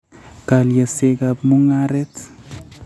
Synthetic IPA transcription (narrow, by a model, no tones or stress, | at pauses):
kaljasekapmuŋaɾɛt